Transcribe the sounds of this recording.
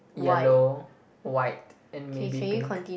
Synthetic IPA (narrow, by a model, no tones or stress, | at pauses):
jɛlo | waɪt̚ | ɛ̃nmebikɔ̃ntĩ